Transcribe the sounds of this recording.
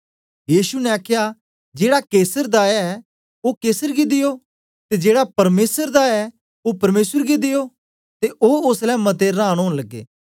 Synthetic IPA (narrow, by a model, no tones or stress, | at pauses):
jiːsunɛaːkʰja | d͡ʒeːɽakeːsəɾd̪aɛ | okeːsəɾɡid̪ɪjo | t̪ed͡ʒeːɽapɐɾmeːsəɾd̪aɛ | opɐɾmeːsəɾɡid̪ɪjo | t̪eʔoʊslɛmɐt̪̬eɾãːɽ̃ɦoːɽ̃lɐɡːḛː